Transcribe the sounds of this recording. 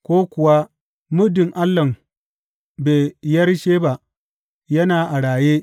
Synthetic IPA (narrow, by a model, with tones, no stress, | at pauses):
kʷoː˦kʷʊ˨wa˦ | mʊ˦dɪ˨ŋʔa˦lːɐ˨m | beː˨jɐ˦rʃeː˦ba˨ | jɐ˦naː˨ʔa˨ɽaː˨jeː˦